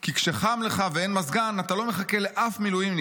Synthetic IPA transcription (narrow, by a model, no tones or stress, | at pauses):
kikʃe̞χamle̞χaveenmazɡanatalo̞me̞χake̞le̞ʔafmilujim